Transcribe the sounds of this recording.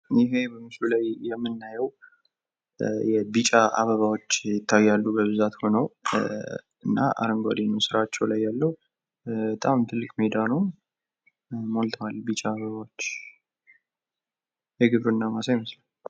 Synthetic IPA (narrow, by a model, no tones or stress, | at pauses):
jɪɦe̞bəmɨslulajːɛmːɨnːajɛw | jɛbit͡ʃʼaʔa̰βəβawot͡ʃːjɪt̪ʰːajːalːubəβɨzat̪ho̞nəw | ɨnːa̰ʔa̰ɾəŋɡʷad̪inəwsɨɾat͡ʃːɛwlajːalːəhu | bət̪ʼamt̪ʰɨlːɨkʼme̞d̪anəw | mo̞lt̪ʰəwalbit͡ʃʼaːβəβawot͡ʃː | jɛɡɨβɾuɨnːamasajməslal